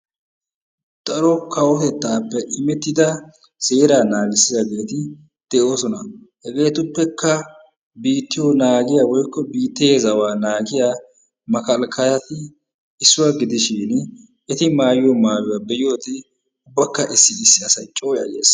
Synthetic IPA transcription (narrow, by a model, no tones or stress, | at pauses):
t̪ʼɐɾɔkɐwɔt̪ɛt̪ːaːpːɛʔɪmɛt̪ːɪd̪ɐ | seːɾaːnaːɡɪsːɪzɐɡe̞ːt̪ɪ | d̪̥ɛʔo̞ːsɔnɐhɛɡe̞ːt̪ʊpːɛkːɐ | biːt̪ːɪjɔnaːɡɪjawɔjkːɔbiːt̪ːeːzɐwaːnaːɡɪjaː | mɐkɐlkʰɐjɐt̪ɪ | ɪsːʊwaɡɪd̪ɪʃɪn | ɛt̪ɪmaːjɪjɔmaːjʊwabɛjɪjoːt̪ɪ | ʊbːɐkːɐʔɪsːɪɪsːɪɐsɐjt͡ʃʼo̞ːjɐ̰ɡḛːs